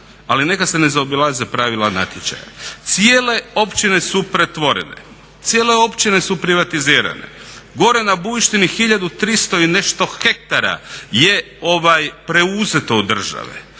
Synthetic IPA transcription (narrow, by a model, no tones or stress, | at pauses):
aline̞kase̞ne̞zaobilˠazepɾaʋilˠana̰t̪jet͡ʃa̰ja̰t̪siele̞o̞pt͡ʃine̞supɾe̞t̪ʋo̞ɾḛnḛ | t̪sijeleo̞pt͡ʃine̞supɾiʋat̪iziːɾa̰ne̞̰ɡo̞ɾe̞nabuiʃt̪inixiʎad̪ut̪ɾist̪o̞ine̞ʃt̪o̞xe̞k̚t̪aɾa̰je̞ | o̞ʋajpɾe̞uze̞t̪o̞ud̪r̩ʒa̰ʋḛ